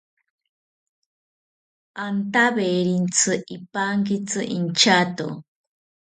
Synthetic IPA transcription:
ant̪aβeɾint͡sʰɨʔipaŋkit͡sʰɨʔint͡ʃat̪o̰

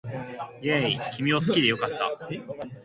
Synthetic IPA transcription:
jeikʲimʲiosɨ̥kʲid̪e̞jo̞kat̪ːa̰

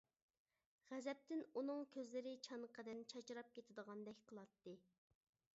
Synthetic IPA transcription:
ʁɛzɛp̚t̪ɪnunɨŋkʲʰøzlɪɾɪt͡ʃʰɑnqʰəd̪ɪnt͡ʃʰɑt͡ʃʰɾɑp̚kʲet̪ʰɪd̪əʁɑnd̪ɛkʲqʰəlˠɑt̪ːɨ

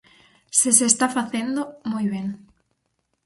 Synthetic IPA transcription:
seseːst̪afaθend̪omojβeŋ

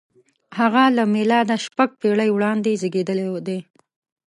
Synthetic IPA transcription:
haɣalamelɑd̪aʃpaɡ̚peɽəjwɽɑnd̪ezəɡed̪əlewd̪e

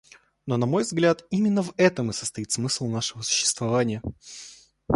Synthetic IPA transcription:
nonɐmo̞jvzɡlʲat̪imʲɪnːəvɛt̪əmɨsə̥st̪ɐit̪smɨslˠnaʂɨvəsʊ̥ɕːɪ̥st̪vɐvanʲɪjə

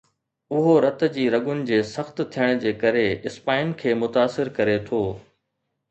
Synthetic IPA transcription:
ʊɦoɾɐt̪̆d͡ʑiːɾɐɠʊnɪ̆d͡ʑeːsɐxt̪t̪ʰijəɽ̃̆d͡ʑeːkɐɾeɪspaːɪn̆kʰeːmʊt̪aːsɪɾkɐɾet̪ʰoː

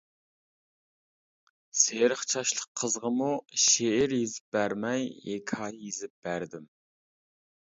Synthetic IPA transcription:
seɾəχt͡ʃʰɑʃlˠəqʰːəzʁəmuʃeɪɾjizɪp̚bæɾmɛjekʰɑjizɪp̚b̥æɾd̪ɪm

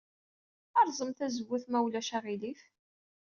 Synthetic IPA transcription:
ɑɾˤzˤəmθæzəwːʊθmæwlæʃæʁiliθ

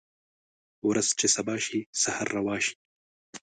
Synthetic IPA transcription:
wɾaz̥t͡ʃesabɑːʃisahaɾːawɑːʃi̥

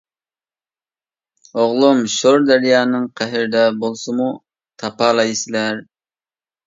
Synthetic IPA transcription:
oʁlˠumʃoɾd̪æɾjɑːnɨŋqʰæɦɪɾɪd̪ɛbolˠsɨmu | t̪ʰɑpɑːlˠɑjsɪlæɾ

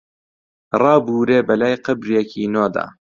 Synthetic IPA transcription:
rɑːbuːɾeːbɐlaːjqɨbɾjekʰiːnoːd̪a̰ː

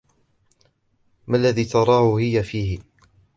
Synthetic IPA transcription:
malːaðiːt̪ɑɾˤɑːhʊhɪjafiːhɪ

